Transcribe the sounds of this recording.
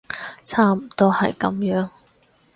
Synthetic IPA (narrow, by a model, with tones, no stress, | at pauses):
t͡sʰaː˥m̩˨˩t̪ɔː˥hɐ̰˨jkɐ̰˨˥mjœː˨˥ŋ